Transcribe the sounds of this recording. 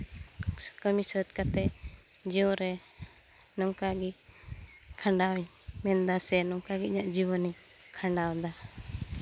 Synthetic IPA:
kəmisət̪̚kat̪ɛ | d͡ʒiɔɾɛ | nɔŋkaɡi | kʰaɳɖaw | mɛnd̪asɛnɔŋkaɡiʔ̚ɲaʔd͡ʒiwɔni | kʰaɳɖawd̪a

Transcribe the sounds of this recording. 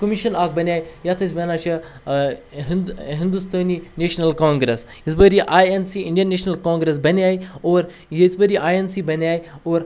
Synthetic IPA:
kəmiʃɐnaːk̚bɐnʲaːijat̪ʰɐs̬ʲʋɐnaːt͡ʃʰi | ɦɦind̪ust̪ɐːnineːʃnɐlkaːŋɡɾes | isbəɾiʔaːensiiɳɖijɐnːeːʃnɐlkaːŋɡɾes̬bɐniaːioːɾ | jesbəɾiʔaːjensiːbɐnʲaːioːɾ

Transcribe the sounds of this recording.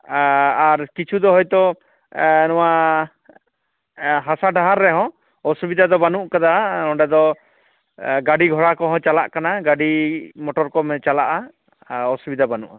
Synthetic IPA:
aɾkit͡ʃʰud̪ɔɦɔjt̪ɔ | nɔwaʔ | ɦasaɖaɦaɾːɛɦɔ̃ | ɔsubid̪ad̪ɔbanuʔkad̪anɔ̃ɖɛd̪ɔ | ɡaɖiɡʱɔɽakɔɦɔ̃t͡ʃalaʔkanaɡaɖimɔʈɔɾkɔmɛt͡ʃalaʔa | ɔsubid̪abanuʔa

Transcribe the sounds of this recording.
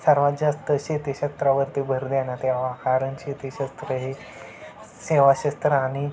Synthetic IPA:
səɾʋat̪d͡ʑast̪əɕet̪eɕəst̪ɾaʋəɾt̪ebʱəɾd̪anat̪ɛʋ̤akaɾəɳɕet̪eɕəst̪ɾəɦe | seʋaɕəst̪ɾəaɽ̃i

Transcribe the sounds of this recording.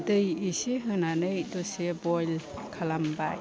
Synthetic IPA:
dɯjiseɦɯnanɯjdɔsebɔjlkʰalambaj

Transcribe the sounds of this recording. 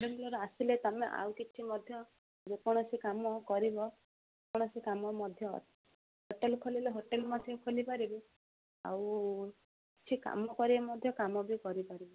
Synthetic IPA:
ɽɔmilɔɾɔasilet̪ameʔa̰wkit͡ʃʰimɔd̪ʱjɔ | d͡ʒekɔɽ̃ɔsikamɔkɔɾibɔ | ekɔɽ̃ɔsikamɔmɔd̪ʱjɔ̰ | ɦoʈelkʰolileɦoʈelmɔd̪ʱjɔkʰolipaɾibi | a̰w | kt͡ʃʰika̰mɔkɔɾibamɔd̪ʱjɔkamɔbikɔɾipaɾibɔ

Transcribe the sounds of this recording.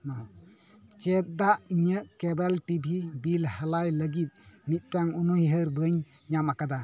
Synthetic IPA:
nɔ | t͡ʃɛt̪̚daʔiɲəʔkɛbɛltibʱibilhalajləɡit̪̚mit̪̚taŋɔnɔjɦəɾbəɲ | ɲamakada

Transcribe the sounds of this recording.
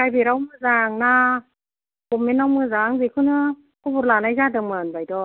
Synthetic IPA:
kajbiɾawmɯzaːŋnaː | kʊminːawmɯzaːŋzikʰunɯ | kɔvut̚laːnajzaːdəŋmənbajdɔ

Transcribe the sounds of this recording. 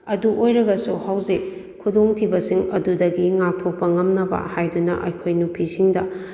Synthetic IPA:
ɐduʔojɾɐɡɐsuhawze | kʰudoŋtʰibɐsiŋɐ̰dudɐɡiŋak̚tʰok̚pɐŋɐmnɐbɐ̰hajdunɐ̰ʔɐ̰jkʰojnupʰisiŋdɐ

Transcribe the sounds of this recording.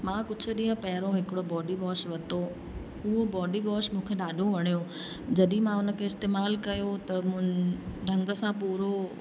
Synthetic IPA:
mãːkʊd͡ʑʱʊ̆ɗĩːə̃pɐɦɪɾõɦɪkɪɽobɔːɖibɔːʃʋɐt̪o | ʊɦobɔːɖibɔːʃmũːkʰeɗaːɗʱõʋɐɽ̃ijõ | d͡ʑɐɗĩmãʊnə̆kʰeɪst̪eːmaːlkɐjot̪ɐm̃ | ɖʱɐ̃ŋɡə̆sãpuːɾo

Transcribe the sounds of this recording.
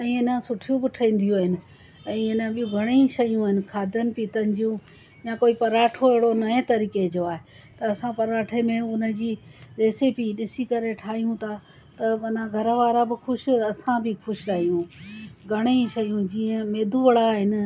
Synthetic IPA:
ɛ̃ːɪnəsʊʈʰijũbɪʈʰɐĩːn̆d̪ijuaːɦɪnɪ̆ | ɛ̃ːɪnəɓijũɡʱɐɽ̃eʃɐjũaːɦɪnɪ̆kʰaːd̪ʱənɪ̆piːt̪ɐnɪ̆d͡ʑijũ | jãkoːipɐɾaːʈʰoeɦɪɽonɐẽt̪ɐɾiːked͡ʑoaːɦet̪ɐɐsãpɐɾaːʈʰemẽʊnə̆d͡ʑiːɾeːsepiɗɪsikɐɾeʈʰaːɦijũt̪ʰa | t̪ɐmɐnaɡʱɐɾəʋaːɾabɪxʊʃɪɐsãbʱɪkʰʊʃɪɾaːijũɡʱɐɽ̃eʃɐjũd͡ʑiːə̃meːd̪ʱuʋɐɽaːɦɪnɪ̆

